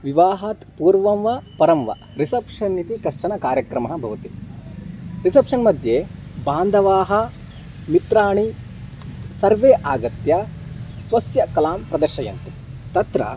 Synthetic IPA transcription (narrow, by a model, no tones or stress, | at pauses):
ʋiʋaːɦaːt̪puːɾʋɐmʋɐpɐɾɐmʋɐ̰ | ɾisɐpʂɐnːit̪ikɐʂʈɐɳɐkaːɾjɐkɾɐmɐɦɐ̆bʱɐʋɐt̪i | ɾisɐpʂɐnmɐd̪ʱjeːbaːnd̪ʱɐʋaːɦɐ | mit̪ɾaːɳi | sɐɾʋeːʔaːɡɐt̪jɐsʋɐsjɐkɐlaːmpɾɐd̪ɐɾʃɐjɐ̰nt̪e | t̪ɐt̪ɾɐ̰